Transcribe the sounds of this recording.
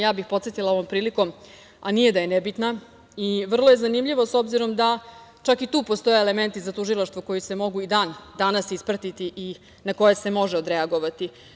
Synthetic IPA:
jaːbixpo̞t̪sjet̪ilˠao̞ʋo̞mpɾiːliko̞m | anije̞d̪aje̞nebit̪na | iʋr̩lˠo̞je̞zanimʎiʋo̞so̞bziɾo̞md̪a | t͡ʃakit̪uːpo̞st̪o̞jeːle̞me̞nt̪izat̪uʒilˠaʃt̪voko̞jise̞mo̞ɡuid̪aːnd̪anasispɾat̪it̪iʔi | nako̞jese̞mo̞ʒeod̪ɾe̞aɡo̞ʋat̪i

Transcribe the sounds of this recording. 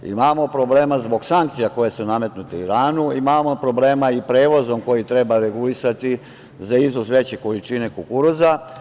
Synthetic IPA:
ḭmaːmo̞pɾo̞ble̞ːmazbo̞ɡsaŋkt̪sijako̞je̞suname̞t̪nut̪eiɾaːnuimamo̞pɾo̞ble̞ːmaipɾe̞ːʋo̞zo̞mko̞jit̪ɾe̞baɾe̞ɡulisat̪i | zaiznozʋe̞t͡ɕe̞ko̞lit͡ʃine̞kokuɾoza

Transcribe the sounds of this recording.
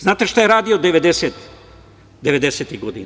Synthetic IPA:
znaːt̪eʃt̪ajeɾaːd̪ijod̪eʋed̪eset̪ | d̪eʋed̪eset̪iɣɡod̪in

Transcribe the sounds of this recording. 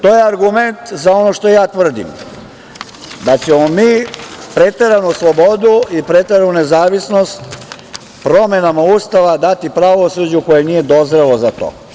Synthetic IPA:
t̪o̞jeaɾɡume̞nt̪zao̞noʃt̪o̞jaːt̪ʋr̩d̪ḭm | d̪at͡ɕemomiːpɾet̪e̞ɾanuslˠo̞bo̞d̪uipɾet̪eɾanune̞zaːʋisno̞st̪ | pɾo̞me̞namauːst̪aʋad̪at̪ipɾaʋosud͡ʑuko̞jenije̞d̪o̞zɾelozat̪o̰ː

